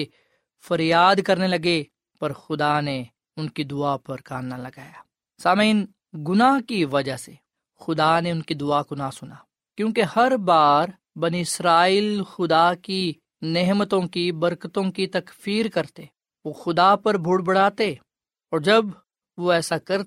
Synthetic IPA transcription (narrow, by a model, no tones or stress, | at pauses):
e | fɐɾjaːd̪kɐɾnelɐɡe | pɐɾxʊd̪ane | ʊnkid̪ʊapɐɾkaːnnalɐɡaːjaː | saːmin | ɡʊnaɦkiʋɐd͡ʒaɦse | xʊd̪aneʊnkid̪ʊakʊnasʊnaː | kjõːkehɐɾbaːɾ | bɐniɪsɾaːiːlxʊd̪aki | neɦmət̪õkibɐɾkət̪õkit̪ɐkfiːɾkɐɾt̪e | ʋoːxʊd̪apɐɾbʱʊɽbɐɽ̤aːt̪e | ɔːɾd͡ʒɐb | ʋoɛːsakɐɾ